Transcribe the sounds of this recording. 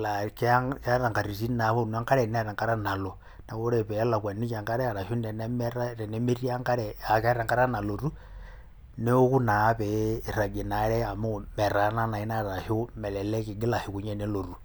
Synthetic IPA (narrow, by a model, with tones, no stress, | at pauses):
la˨kkɾa˨ŋka˨ɾi˨s̬i˦na˨βo˦n˦a˦ŋka˦ɾe˨na˦˨ɾa˨ŋka˦ɾa˦na˨lo˨ | na˨ko˦ɾe˨pɛ˨˦la˨kwa˨ni˦t͡ʃa˨ŋka˦ɾe˦a˨ɾa˨ʃu˦nde˨ne˦me˦ɾa˦ɾe˨ne˦me˦ɾi˦a˦ŋka˦ɾɛ˨a˨ka˦ɾa˨ŋka˦ɾa˦na˨lo˨ɾu˦ | ne˦ku˦na˨˦pɛ˨ra˨ɡe˨na˨˦ɾɛ˦a˨mo˦me˨ɾa˨˦na˦na˨i˦na˦ɾa˨ʃo˦mɛ˨lɛ˨le˦ki˨ɡi˦la˨hi˨ku˨ɲe˦ne˦lo˨ru˨